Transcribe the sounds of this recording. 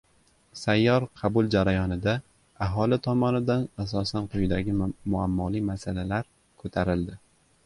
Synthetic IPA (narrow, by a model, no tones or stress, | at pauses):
sajːɒɾqʰɑbʊlˠd͡ʒaɾajɒnɪd̪a | aɦɒlɪt̪ʰɒmɒnɪd̪anasɒsanqʰʊjɪd̪aɡʲɪmʊamːɒlimasalalaɾ | kʰɵt̪ʰaɾɪld̪ɪ